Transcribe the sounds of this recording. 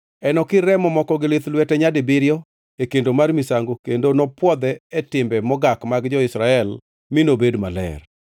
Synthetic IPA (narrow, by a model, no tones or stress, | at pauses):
ɛnɔkɪɾɛmɔmɔkɔɡɪlɪt̪lwɛtɛɲadɪbɪɾjɔ | ekendomarmisaŋɡokendonɔpwɔd̪ɛːtɪmbɛmɔɡakmaɡd͡ʒɔɪsɾaɛl | minobedmalɛ̰r